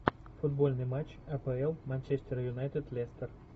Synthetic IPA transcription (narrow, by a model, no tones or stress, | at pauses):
fʊd̪bolʲnɨjmat͡ɕ | ɐpɛɛlˠmɐnʲt͡ʃesʲt̪ʲɪɾɐjʊnajt̪ɨd̪lʲest̪ər